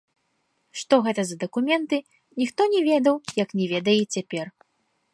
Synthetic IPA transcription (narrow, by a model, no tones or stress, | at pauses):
ʂt̪ɔɣɛt̪ɐzɐd̪ɐkumʲɛnt̪ɨ | nʲixt̪ɔnʲɛvʲɛd̪ɐwjɐknʲɛvʲɛd̪ɐjɛt͡sʲapʲɛr